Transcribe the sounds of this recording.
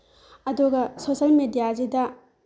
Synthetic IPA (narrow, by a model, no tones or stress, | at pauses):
ɐduɡɐsosɐlmedijazidɐ